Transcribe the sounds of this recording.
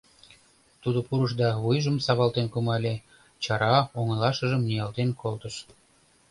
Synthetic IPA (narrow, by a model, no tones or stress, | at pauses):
t̪ud̪opuɾəʃd̪ɑβujʒəmsɑβɑlt̪enkumɑlʲe | t͡ɕɑɾɑoŋə̆lɑʃəʒəmnijɑlt̪enkʰolt̪əʃ